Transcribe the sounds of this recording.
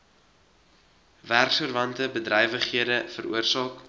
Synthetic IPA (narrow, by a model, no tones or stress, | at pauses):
værksurvɐntəbədrɛjvəχɦiədəfəɾṵərsɑːk